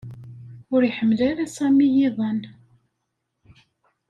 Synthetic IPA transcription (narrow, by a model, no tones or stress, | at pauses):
ʊɾiħəmːlaɾasæmijiðˤɑn